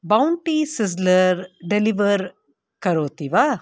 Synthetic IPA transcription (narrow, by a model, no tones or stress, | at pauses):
baʊɳʈisɪz̬ləɾɖeliʋəɾ | kɐɾoːt̪iʋa